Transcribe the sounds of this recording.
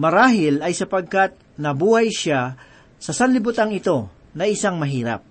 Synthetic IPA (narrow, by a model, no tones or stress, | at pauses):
mɐɾaːɦɪlɐjsɐpɐɡ̚kat̪̚ | nɐbuːhɐjʃa | sɐsɐnlɪbʊt̪aŋɪt̪o̞ | nɐʔɪsaŋmɐɦiːɾɐ̰p̚